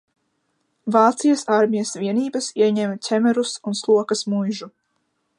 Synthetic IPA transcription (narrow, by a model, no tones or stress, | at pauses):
vaːt̪sijɐsaɾmijɐsviɛniːbɐsiɛɲɛmt̪ʲɛmɛɾusunslˠuɔkɐsmujʒu